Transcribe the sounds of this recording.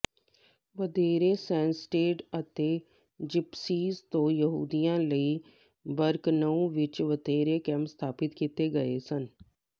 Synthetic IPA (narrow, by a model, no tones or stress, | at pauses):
ʋəd̪ʱeːɾeːsɛ̃ːnsʈeːʈət̪eː | d͡ʒɪpsiːzt̪õːjəɦuːd̪ijãːləiː | bəɾknəũʋɪt͡ʃʋəd̪ʱeːɾekɛ̃ːmpst̪ʰaːpɪt̪kit̪eːɡəḛːsən